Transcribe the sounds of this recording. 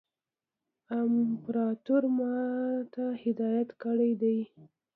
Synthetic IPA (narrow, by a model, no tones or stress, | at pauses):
ampɾɑt̪uɾmɑt̪ahɪd̪ɑjat̪kəɽajd̪aj